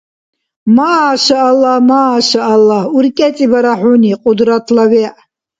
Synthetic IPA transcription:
maːʃaalamaːʃaʔalauɾkʼɛt͡sʼibaɾaħuniqʼʊd̪ɾat̪ʰlawɛʔ

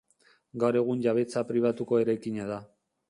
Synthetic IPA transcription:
ɡawɾe̞ɣ̞unʎaβ̞e̞t͡sapɾiβ̞at̪uko̞e̞ɾajkiɲaða

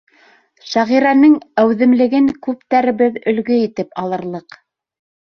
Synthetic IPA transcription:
ʃæʁiɾænɘŋæwðɘ̆mlɘ̆ɡɘŋkʉpt̪æɾɘ̆βɘðɵ̆lɡɵit̪ɘpɑlˠɤ̆ɾlˠɤq

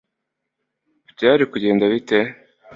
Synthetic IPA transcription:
bjaːɾikuɟe̞ːndaβite

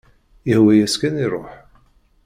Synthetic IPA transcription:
əhwæjæskæniɾˤoħ

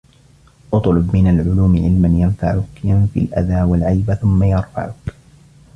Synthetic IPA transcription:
ʔʊt̪ˤlʊbmɪnalʕʊluːmɪʕɪlmanjanfaʕʊkjanfḭalʔa̰ðaːwalʕajbaθʊmːajɑɾˤfa̰ʕʊk

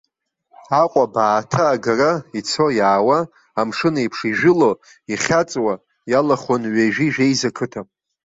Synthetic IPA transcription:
aqʷʼabaːtʰaːɡarait͡sʰo̞jaːwaː | mʂɨnaipʰʂiʒᶣɪlo̞ | iχʲat͡sʼwa | jalaχonɥaʒᶣiʒᶣejzakʰɨtʰamʼ

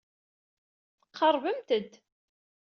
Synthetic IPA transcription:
θəqʰːɑɾˤvəmt̪əd̪

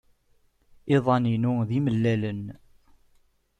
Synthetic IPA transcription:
ɪðˤɑninʊðiməlːælən

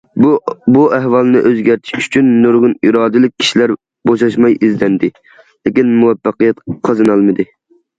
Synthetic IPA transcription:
buæɦwɑlˠnɨʔøzɡʲæɾt̪ʰi̥ʃy̥t͡ʃʰynːoɾʁʊniɾɑːd̪ɨlˠɪk̚ʲʰi̥ʃilæɾ | boʃɑʃmɑjizd̪ɛnd̪ɪ | lɪkʲinmuwɛfːɑqijɛt̪qʰɑzɨnɑlˠmɨd̪ɪ

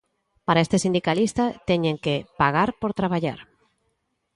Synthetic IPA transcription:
paɾaest̪esind̪ikalist̪at̪ɛɲẽŋkepaɣaɾpoɾt̪ɾaβaʎa̰ɾ

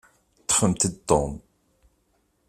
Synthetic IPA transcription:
t̪ːə̥χəmt̪ət̪ːom

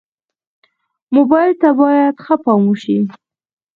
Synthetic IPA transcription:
mobɑjɪlt̪abɑjad̪xəpɑmuʃi

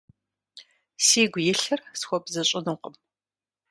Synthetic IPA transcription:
siːɡʷjɪɬɨrsxʷɔbzɐɕʼɪnɨqəm

